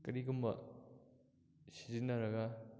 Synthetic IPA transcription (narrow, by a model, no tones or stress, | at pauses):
kɐɾiɡumbɐ̰ | sizinːɐɾɐɡa